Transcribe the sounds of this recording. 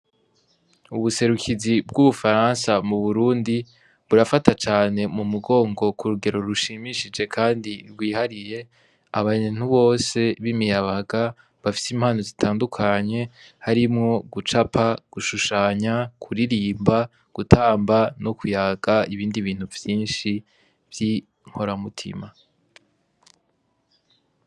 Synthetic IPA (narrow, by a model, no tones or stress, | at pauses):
uβuse̞ɾukʰizibɡuβufaɾansamuβuɾuːndi | βuɾafatat͡ʃaːne̞mumuɡo̞ːŋɡo̞kuɾuɡe̞ɾo̞ɾuʃiːmiʃid͡ʒe̞kʰaːndiɾɡwiːhaɾije̞ | aβaɲen̥huβo̞ːse̞βimijaβaɡa | βafi̥simhaːnozitʰaːndukʰaɲe̞haɾimŋo̞ɡut͡ʃapʰaɡ̥uʃuʃaːɲakʰuɾiɾiːmba | ɡ̥utʰaːmbano̞kujaɡ̥aiβiːndiβiːn̥huvjiːnʃi | vji | ŋ̥ho̞ɾamutʰḭma